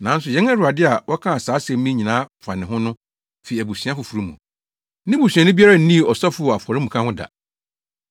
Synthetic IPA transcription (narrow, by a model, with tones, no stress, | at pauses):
nã˨˦n̩˦sʊ˨jɛ̃˨˦na˦ɾʊ˨a˨dɪ˦a˨wʔɔ˦kʰã˦a˨saː˨˦sɛ̃˨m˦mĩ˦ɲĩ˨nã˨˦fa˨nɪ̃˨ɦʊ̃˦nʊ̃˦ | fe˨i˨æ˨bu˨sɥã˦fʊ˨fu˨ɾu˦mũ˨ | nɪ̃˦bu˨sɥ̃a˨nʊ̃˦bi˦a˦ɾa˦n̩˦nĩ˦˨ɔ˨sa˦fʊ˦ɔ˨a˨fɔ˨ɾɪ˦mũ˨kʰã˦hʊ̃˦da̰˨